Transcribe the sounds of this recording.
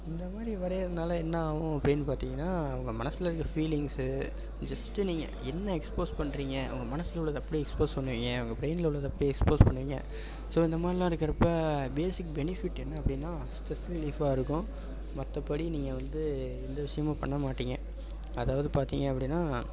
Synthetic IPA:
ɪnd̪ɐmaːd̪ɾiʋɐɾɐjɐðɐnaːlɐɛnːɐaːʋʊ̃ɐpːɐɽɪnːɯpaːɾt̪iːŋɡɐnːaːɐʋɐŋɡɐmɐnɐsːɯlɐɪɾɯkːɾɐfiːlɪŋs | d͡ʒɐsʈːɯniːŋɡɐ̰ɛnːɐɛkspoːspɐɳːɾiːŋɡɐɐ̰ʋɐŋɡɐmɐnɐsɪlʊɭːɐðɯɐpːɐɽiɛkspoːspɐɳːɯʋiːŋɡɐːʋɐŋɡɐbɪɾeɪnlʊɭːɐðɯɐpːɐɽiɛkspoːspɐɳːɯʋiːŋɡɐ̰ | soːɪnd̪ɐmaːd̪ɾɪlãːɪɾɯkːɐɾɐpːɐbeːsɪk̚bɛnɪfɪʈːɛnːɐɐpːɐɽɪnːãː | sʈɛsɪlɪfaːɪɾɯkːʊ̃ | mɐt̪ːɐpɐɽiniːŋɡɐʋɐnd̪ɯ | ɛnd̪ɐʋɪʂɐjɐmãːpɐ̰ɳːɐmaːʈːiːŋɡɐ | ɐðaːʋɐðɯpaːɾt̪iːŋɡɐɐpːɐɽɪnːaː

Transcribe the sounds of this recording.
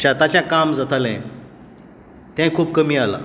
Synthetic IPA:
t͡ɕãt̪at͡ɕjãkamd͡zat̪ʰalɛ̰̃ | t̪jãkʰuːb̚kəmiːala̰

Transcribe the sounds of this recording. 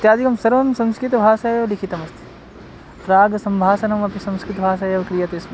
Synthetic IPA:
ɐt̪jaːd̪ikɐmsɐɾʋɐmsɐ̃mskɾit̪ɐbʱaːʃaːjɐʋlikʰit̪ɐmɐst̪ʰi̥ | pɾaːɡɐsɐmbʱaːʃɐnɐmɐpisɐ̃mskɾit̪ɐbʱaːʃaːjɐʋkɾijɐt̪eːsm

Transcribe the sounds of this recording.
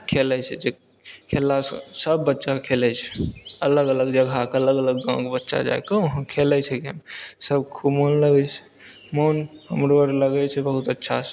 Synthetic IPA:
kʰelɛt͡ʃʰɛ̰d͡ʒe | kʰelassəbːətːʃakʰelɛt͡ʃʰɛ̥ələɡələɡd͡ʒəɡʱakeələɡələɡːãkbətːʃa̰d͡ʒa̰ekəəɦãkʰelɛt͡ʃʰɛkəmsəbkʰubmonləɡɛt͡ʃʰɛ̥ | moːnɦəmɾoəɾləɡɛt͡ʃʰɛbəɦut̪ətːʃʰa̰

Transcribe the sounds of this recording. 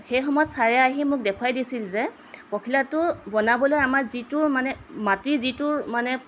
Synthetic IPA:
xejxɔmɔjɔtsaɹɛaɦimʊk̚dɛkʰwajdisilzɛ | pɔkʰilatʊbɔnabɔlojamaɹzitʊɹmanɛmatizitʊɹmanɛ

